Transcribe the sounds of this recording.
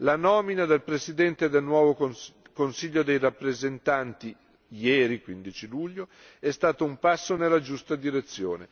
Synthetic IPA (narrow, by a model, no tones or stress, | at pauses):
lanɔːminad̪elpɾesid̪ɛnt̪ed̪elnwɔːvo | konsiʎːod̪ejrapːɾezent̪ant̪i | jɛːɾikwind̪it͡ʃiluʎːo | ɛst̪aːt̪oumpasːonelːad͡ʒust̪ad̪iɾet̪sːjoːne